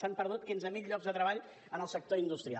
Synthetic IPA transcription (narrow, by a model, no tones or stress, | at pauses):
sampəɾðut̪̚kinzəmiʎʎɔɡzðət̪ɾəβaʎ | ənəlˠsək̚t̪oind̪ust̪ɾia̰